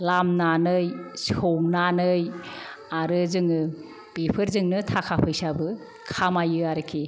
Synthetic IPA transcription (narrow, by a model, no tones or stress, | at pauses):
lamnanɯjshownanɯj | aɾɯzɯŋɯ | b̥epʰɯɾzɯŋnɯtʰakʰapʰɯjsabɯ | kʰamajɯaɾɯkʰi